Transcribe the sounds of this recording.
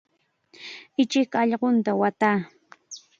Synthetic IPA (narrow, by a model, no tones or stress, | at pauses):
ɪt͡ʃɪkɑʎɢont̪awat̪aː